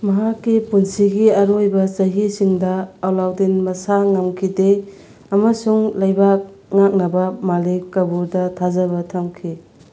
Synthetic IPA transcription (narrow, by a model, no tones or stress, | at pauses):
mɐɦakːipunsiɡiɐɾojbɐt͡ʃɐɦisiŋdɐːwlawdinmɐsaŋamkʰide | ɐmɐsuŋlɐjbak̚ŋak̚nɐbɐmalikːɐbuɾdɐtʰazɐβɐtʰamkʰi